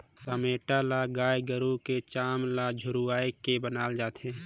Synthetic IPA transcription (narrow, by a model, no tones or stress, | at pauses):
sameːʈalaɡaːjɡəɾũket͡ʃaːmlad͡ʒʱʊɾuaːekebənaːld͡ʒaːt̪ɦɛ̃ː